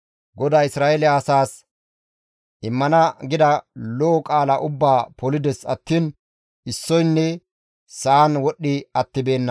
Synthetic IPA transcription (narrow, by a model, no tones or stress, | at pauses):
ɡɔd̪aːɪsɾaːʔɛlɪɐːsaːs | ʔɪmːɐnɐɡɪd̪ɐlɔːkʼaːlɐʔʊbːaːpɔlɪd̪ɛsɐ̰t̪ːiːn | ɪsːɔjnːɛ | saːnwɔɗːɪɐt̪ːɪbe̞ːnːɐ